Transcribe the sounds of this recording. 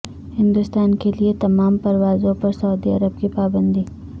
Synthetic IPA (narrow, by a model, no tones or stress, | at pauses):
hɪ̃nd̪ʊst̪aːnkeliet̪ɐmaːmpɐɾʋaːzõpɐɾsɐud̪iɐ̰ɾəb̚kipaːbə̃nd̪iː